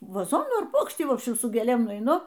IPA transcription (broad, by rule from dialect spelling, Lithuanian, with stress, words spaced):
ʋɐˈzoːnuː ɐr ˈpuɔkʃʲtʲiː ˈʋoːpʲʃʲt͡ʃʲɪm sʊ ɡʲeːˈlʲeːm nʊɛɪˈnʊ